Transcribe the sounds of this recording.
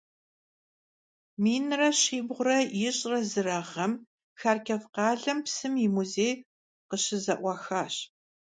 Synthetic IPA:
miːnrɐɕiːbʁʷʊɾɐjɪɕʼrɐzɨrɐʁɐm | xaːrkʰɐfqɑːɮɐmpsɨmimuzeːj | qəɕɪzɐʔʷɑxaːɕ

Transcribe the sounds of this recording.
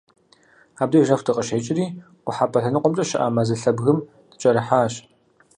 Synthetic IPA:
aːb̚diːʒɐftʰɨqʼəʃeːt͡ʃʼɪɾiː | qʷʊħaːpʰɐɬɐnɨqʷʼʊmt͡ʃʼɐʃɪ̰ʔa̰ːmɐzɨɬɐbɣɨm | d̥ɨ̥t͡ʃʼɐɾɨħaːɕ

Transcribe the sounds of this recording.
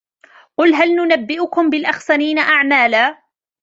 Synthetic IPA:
qʊlɦalnʊnabːɪʔʊkʊmbɪlʔaxsaniːnaʔaʕmaːlaː

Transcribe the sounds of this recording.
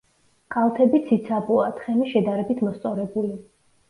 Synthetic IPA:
kʼalˠt̪ʰɛbit̪sʰit̪sʰabʼuat̪ʰχɛmiʃɛd̪aɾɛbit̪ʰmɔst̪sʼɔɾɛbuli

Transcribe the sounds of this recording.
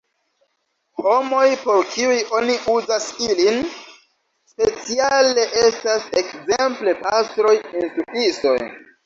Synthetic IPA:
ho̞mo̞jpo̞ɾkʰiujʔo̞niʔuzasilin | spe̞t͡siale̞ʔestasekzemple̞pastɾo̞jentukiso̞j

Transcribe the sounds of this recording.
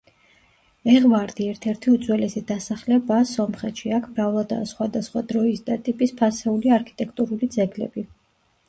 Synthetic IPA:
ɛʁmaɾd̪iɛɾt̪ʰɛɾt̪ʰiut̪zʰʼwɛlɛsid̪asaχlɛbasɔmχɛt̪ʃiakʰmɾavlˠad̪a̰sχwad̪asχwad̪ɾɔisd̪at̪ʼipʼispʰasɛuliaɾkʰi̥t̪ʼɛkʰt̪ʼuɾulid̪zɛɡlɛ̰bi

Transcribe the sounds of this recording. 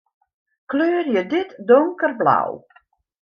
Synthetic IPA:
kløːrjədɪtdɔŋkərbla̰w

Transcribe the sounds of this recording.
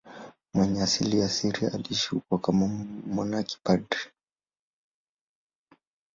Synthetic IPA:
mwɛɲɛasilijasiɾia̰aliʃukwakamamɔnaki̥padi

